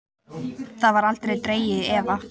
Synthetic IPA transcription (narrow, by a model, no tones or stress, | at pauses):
θaðvaɾalt̪ɾejt̪ɾeːjɪðɛːva